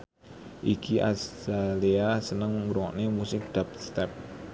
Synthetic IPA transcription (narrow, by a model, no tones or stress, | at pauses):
ʔikiʔa̰sdaliasənəŋmuɾuŋɔ̰ʔnemusɪk̚d̪̥ap̚st̪ɛp̚